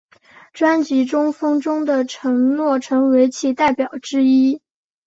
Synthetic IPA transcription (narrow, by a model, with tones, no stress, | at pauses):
ʈ͡ʂwa˥nt͡ɕi˧˥ʈ͡ʂʊ˥ŋfɤ˥ŋʈ͡ʂʊ˥ŋd̪ə˨ʈ͡ʂʰɤ˧˥ŋnwɔ˥˩ʈ͡ʂʰɤ˧˥ŋwe˧˥ɪt͡ɕʰi˥˩t̪a˥˩ɪpjɑ˨˩ʊʈ͡ʂɻ̩˥i˥